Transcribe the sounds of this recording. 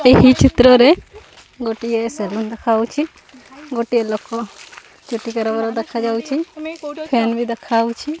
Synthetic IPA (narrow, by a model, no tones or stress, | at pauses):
eɦit͡ʃʰit̪ɾɔɾɛ | ɡoʈijasɛlind̪ɛkʰawt͡ʃʰi | ɡoʈijelɔkːɔ | t͡ʃuʈikaɾabaɾɔd̪ɛkʰad͡ʒawt͡ʃʰipʰɛnbʱid̪ɛkʰawt͡ʃʰi